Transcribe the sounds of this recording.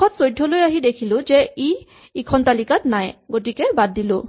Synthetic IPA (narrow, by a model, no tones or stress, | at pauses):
ɔtsojdʱːɔlojaɦidekʰilʊ̃zɛi | ikʰɔntalikatnajɡot̬ikɛbadːilʊ̰̃